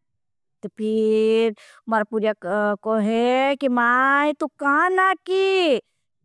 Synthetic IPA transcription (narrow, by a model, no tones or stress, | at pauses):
t̪opʰiɾ | mɐɾapuɾjakoɦeɛkimaɦẽt̪ukanaki